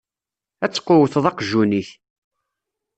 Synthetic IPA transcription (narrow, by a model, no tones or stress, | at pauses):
æt͡sːqːʊwəθðˤɑqʒuniθ